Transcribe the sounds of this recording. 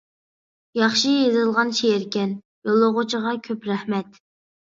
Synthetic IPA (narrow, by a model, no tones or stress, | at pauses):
jɑχʃijezɨlˠʁɑnʃejɪɾkʲɛn | jolˠːoʁʊt͡ʃʰiʁɑkʲʰøpɾæhmɛt̪